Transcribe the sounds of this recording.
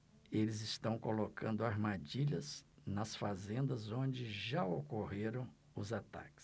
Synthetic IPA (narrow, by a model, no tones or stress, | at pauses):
elɪzɪst̪ɐ̃w̃kolokʰɐ̃nd̪ʊaɾmad͡ʒiʎɐznɐsfazẽnd̪ɐzõd͡ʒɪʒaokoɦeɾɐ̃w̃ | ʊzat̪a̰kɪ̥s